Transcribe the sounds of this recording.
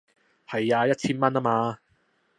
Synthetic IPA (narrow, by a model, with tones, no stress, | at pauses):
hɐ˨jaː˧jɐ˥t̚t͡ɕʰiː˥nmɐ˥naː˥maː˨˧